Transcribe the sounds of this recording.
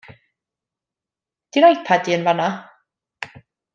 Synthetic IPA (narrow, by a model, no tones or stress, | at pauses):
d̥ɪnajθpʰadiːənvana